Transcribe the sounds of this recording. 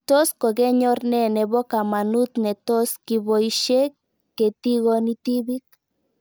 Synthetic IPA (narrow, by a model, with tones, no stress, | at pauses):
t̪o˦sko˨ɣe˦ɲo˦ɾnene˨βo˦ka˨ma˨nu˦t̪ne˨t̪o˦ski˨βo˨iʃe˦k | kːe˨t̪i˦ɣo˧ni˦t̪i˦βi˦k̚